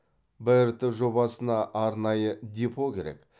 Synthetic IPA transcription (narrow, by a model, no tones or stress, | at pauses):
bɪɪɾt̪ɪʒo̞bɑsənɑʔːɾnɑjəd̪epʰokʲʰe̞̰ɾḛk